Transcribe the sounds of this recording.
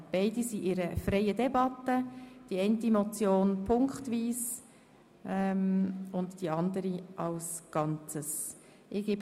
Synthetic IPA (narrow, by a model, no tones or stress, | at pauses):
b̥aɪdisiʔɪɾəfrɛɪədɛbɑtːəd̥iɛɪntimɔt͡sjoːnpʰʊŋkχtʋiːs | ʔɛmʊndd̥iɑnd̪əɾiʔɑlsɡ̥ɑnt͡səs | ʔɪɡ̥eːb